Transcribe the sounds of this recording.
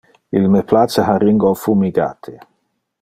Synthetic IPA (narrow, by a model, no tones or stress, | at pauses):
ilmepʰlasaɦariŋɡofumiɡa̰ːt̪ʰe